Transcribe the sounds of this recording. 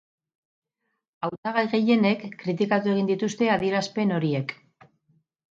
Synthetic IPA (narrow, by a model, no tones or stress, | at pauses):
awt̪aɣajɣe̞je̞ne̞kːɾit̪̬ikat̪ue̞ɣ̞ind̪it̪ust̪e̞aðieɾaspe̞no̞ɾie̞k